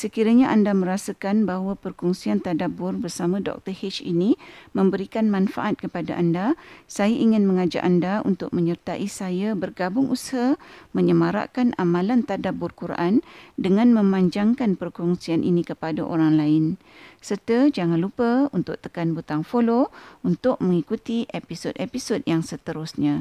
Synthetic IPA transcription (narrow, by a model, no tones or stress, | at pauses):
səkiɾaɲaʔandamə̃ɾasakanbaɦwapərkɔŋsiant̪adabʊrbərsamãdɔ̰k̚t̪əhet͡ʃḭnimə̃mbəɾikanmãnfa̰ʔat̪̚kəpadaʔandasajaʔiŋɪnmə̃ŋad͡ʒa̰ʔandaṵnt̪ʊk̚mə̃ɲərt̪aʔisajabərɡabʊŋʔushamə̃ɲəmaɾa̰ʔkanʔamãlant̪adabʊrkuɾaʔandəŋãnmə̃mãɲd͡ʒaŋkanpərkɔŋsianʔḭnikəpadaʔoɾaŋlaɪn | sərt̪əd͡ʒaŋãnlupəunt̪ʊʔ̚t̪ə̥kanbut̪aŋfolount̪ʊk̚mə̃ŋikut̪iʔepisodepisodjaŋsət̪əɾʊsɲã